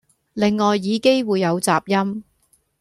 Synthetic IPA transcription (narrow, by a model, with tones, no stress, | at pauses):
lɪ˨ŋːɔː˨jːiː˨˧ke˥jwuː˨˧jːɐ˨˧wt͡saː˨p̚jɐ˥m